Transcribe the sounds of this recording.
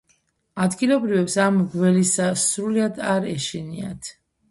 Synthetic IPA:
ad̪ɡilˠɔbɾivɛpsamɡvɛlisasɾuliad̪aɾɛʃinia̰t̪ʰ

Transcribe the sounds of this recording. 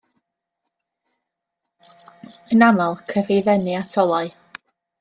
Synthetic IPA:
ənamalˠkʰəvejðɛnɨatʰɔlˠɔɨ

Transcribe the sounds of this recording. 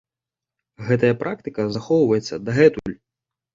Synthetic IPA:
ɣɛt̪ɐjɐpɾʔak̚t̪ɨkɐzaxɔwvɐjɛt̪sːɐd̪ɐɣɛt̪ulʲ

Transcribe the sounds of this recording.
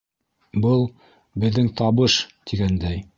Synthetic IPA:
bɤlˠ | bɘ̆ðːɘŋt̪ʰɑβɤʃt̪iɡænd̪æj

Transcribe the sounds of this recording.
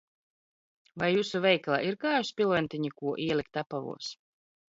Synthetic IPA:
vajːuːsuvɛjklˠaʔiɾkaːjuspʲilˠvɛnt̪ʲiɲikuɔʔiɛlʲik̚t̪apavṵɔs

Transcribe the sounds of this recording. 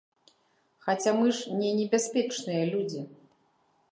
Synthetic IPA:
xat͡sʲamɨʂnʲɛnʲɛbʲaspʲɛt͡ʂnɨjɐlʲud͡zʲi

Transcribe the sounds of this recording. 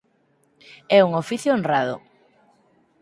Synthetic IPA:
ɛuŋofiθjʊonraðʊ̰

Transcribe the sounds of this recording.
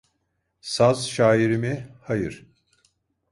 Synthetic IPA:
sazʃaːiɾimihajɯɾ̥

